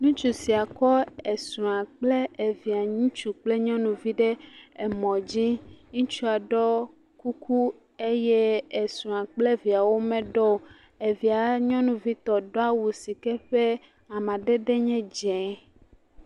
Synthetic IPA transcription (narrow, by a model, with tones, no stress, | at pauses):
nũ˦t͡ʃu˨si˨a˨kɔ˦e˨sũ˨ã˨k͡ple˦e˨vi˨a˨ɲĩ˦t͡ʃu˨k͡plɛ˦ɲɔ̃˦nũ˨vi˦ɖɛ˦e˨mɔ̃˨d͡ʑi˦ɲũ˦t͡ʃu˦a˨ɖɔ˦ | ku˦ku˦ | e˦jɛ˦e˨sũ˨ã˨k͡ple˦vi˨a˨wo˦mɛ̃˦ɖɔ˦˨ | e˨vi˨a˨ɲɔ̃˦nũ˨vi˦t̪ɔ˨ɖɔ˦a˦wu˨si˨kɛ˦ɸɛ˦ | a˨mã˨ɖɛ˦ɖɛ˦ɲɛ̃˦d͡ʒɛ̃˨˦